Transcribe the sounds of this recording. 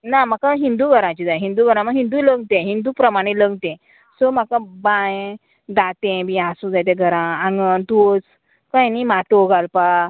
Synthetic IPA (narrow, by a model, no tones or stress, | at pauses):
namakãɦind̪uːɡʱəɾãt͡ɕid͡zajɦind̪uɡʱəɾãməɡɦind̪uləɡt̪ẽɦind̪upɾəmaɽ̃eləɡt̪ɛ̃ | sɔmakabãj | d̪at̪ẽbĩasũd͡zajt̪̬ɛ̃ɡʱəɾããŋɡənt̪ut͡s | kə̃jnimaʈ̪oɡalpa